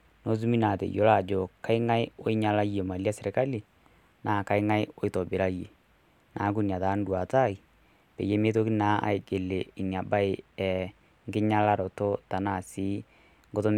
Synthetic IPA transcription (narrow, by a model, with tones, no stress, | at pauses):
no˦s̬u˦mi˦na˨tɛ̰˨jo˦la˨d͡ʒo˨ka˦ɪ˦ŋa˦jo˦ɪ˦ɲa˨la˦je˨ma˨li˦a˦sɪ˨ɾɪ˨ka˦li˨ | naː˨ka˦ɪ˦ŋa˦jo˦ɪ˦tɔ˨bɪ˨ɾa˦je˨ | nʔaː˨˦k̬u˦n˨a˨ta˨˦n˦dwa˨ta˦˨i˨ | pḛ˨je˦me˦t̬o˦ki˦na˦a̰˨ɪ˦ɡe˨le˨ɪ˨nja˨ba˦ɪ˨ɛ˨ | ŋɡɪ˦ɲa˦la˦ɾɔ˨to˦ta˨na˨si˦ | ŋɡo˦to˦m